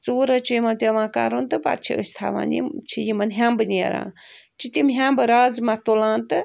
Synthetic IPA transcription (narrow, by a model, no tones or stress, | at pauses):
t͡suːɾɐt͡ʃujimɐnpʲaʋãːka̰ɾunt̪ɨpa̰t̪̚t͡ʃʰḭəst̪ʰa̰ʋa̰nḭt͡ʃʰijimɐnɦʲambɨneɾa̰ː | t͡ʃʰit̪imɦʲambɨɾaːzmɐt̪olãːnt̪ɨ